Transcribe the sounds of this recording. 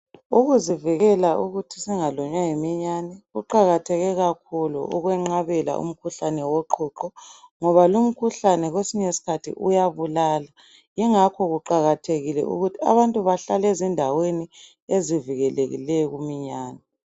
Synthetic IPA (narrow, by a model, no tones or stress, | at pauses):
uɣuziviɣɛlaʔuɣutʰi̥siŋalɔɲwaŋimiɲanɛɣuǃaɣatʰɛɣɛɣakʰulṵʔṵɣwɛŋ͡ǁaβɛla̰ṵm̩kʰuɬanɛwɔǃʰuǃɔŋɔβalum̩kʰuɬanɛɣwesiɲɛsi̥kʰatʰḭʔṵjaβulaːla | jɛŋakʰɔɣuǃaɣatʰeɣilɛ̰ʔṵɣutʰia̰βantʼuβaɬalɛzindʱaweni | eziviɣɛleɣḭlɛɔɣumiɲaːnɛ